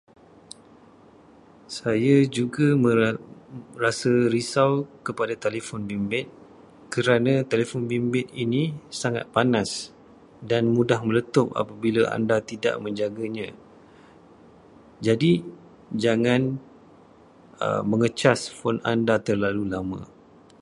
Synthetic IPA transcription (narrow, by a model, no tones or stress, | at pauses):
sajad͡ʒuɡamə | rasəɾisawkəpadat̪elefɔnbimbɪt̪̚ | kəɾanãt̪elefɔnbimbɪt̪̚inĩsaŋa̰t̪̚panas | danmũdahmə̃lət̪ʊp̚a̰pabilaa̰ndat̪ida̰ʔmə̃ɲd͡ʒaɡaɲã | d͡ʒadi | d͡ʒaŋãn | ə̰mə̃ŋət͡ʃasfɔna̰ndat̪ərlalulamã̰